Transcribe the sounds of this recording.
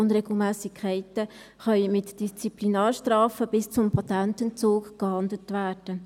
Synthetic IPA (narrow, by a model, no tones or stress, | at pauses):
ʊnrɛɡl̩mæːsikʰχɛɪtə | χœʏmɪtd̥ist͡siplinɑːɾʃtrɑːfəbɪst͡sʊmpʰɑt̪æntənt͡soːkɡ̥hɑndlətʋæːd̥ə